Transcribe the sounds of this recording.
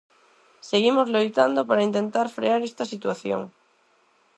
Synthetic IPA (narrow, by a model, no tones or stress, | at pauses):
seɣimozlojt̪and̪opaɾaint̪ẽnt̪aɾfɾeaɾest̪asit̪waθjo̰ŋ